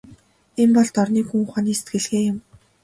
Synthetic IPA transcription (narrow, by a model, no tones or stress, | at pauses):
empɔɮt̪ɔrniːxuŋχaniːse̥t̪ɡɘ̆ɮɣeːjʊm